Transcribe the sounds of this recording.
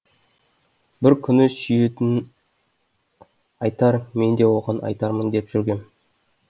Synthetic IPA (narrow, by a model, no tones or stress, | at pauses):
bɪɾkʲʰʏnɪsʏjet̪ɪn | ɑjt̪ɑɾme̞nd̪e̞wo̞ʁɑnʔɑ̰jt̪ɑɾmənd̪e̞pʒ̥ʏɾɡʲe̞m